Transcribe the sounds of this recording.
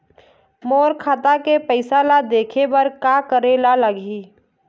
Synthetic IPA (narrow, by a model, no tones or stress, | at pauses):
moːɾkʰaːt̪akepəɪsalad̪eːkʰebəɾkakəɾelaləɡi